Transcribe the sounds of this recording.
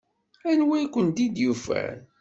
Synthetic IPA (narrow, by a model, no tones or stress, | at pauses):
ænwikʷːənd̪id̪jufæ̰n